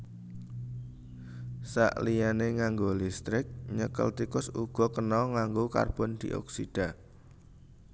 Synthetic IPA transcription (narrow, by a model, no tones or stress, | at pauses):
sa̰ʔlijaneŋaŋɡolist̪ɾɪk̚ɲəkə̰lt̪ikʊsuɡ̥ɔ̤kənɔŋaŋɡoka̰rb̥ɔnd̪̥ḭʔɔ̰ksid̥a̤